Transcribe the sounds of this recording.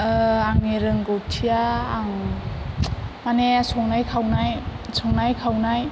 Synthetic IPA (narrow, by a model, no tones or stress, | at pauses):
aŋneɾɯŋɡɔtʰijaːŋ | manesɔŋnajkʰawnajsɔŋnajkʰawnaj